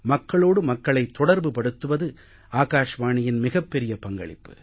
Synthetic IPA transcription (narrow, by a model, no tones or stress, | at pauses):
mɐkːɐɭoːɽɯmɐkːɐɭɐɪt̪ːɔɽɐɾbɯpɐɽɯt̪ːɯʋɐðɯ | aːɣaːʂɐmaːɳɪjɪnmɪɣɐpːɛɾɪjɐpɐŋɡɐ̰ɭɪ̰pːɯ̥̰